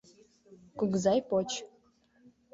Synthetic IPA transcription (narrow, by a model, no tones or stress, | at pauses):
kuɡzɑjpot͡ɕ